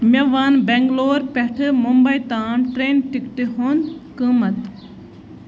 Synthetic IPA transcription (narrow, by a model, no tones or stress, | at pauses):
mʲɐʋɐnbeŋɡloːɾpɛʈʰɨmumbɐjt̪aːmʈɾeːnʈikʈ̪iɦunkɨmɐt̪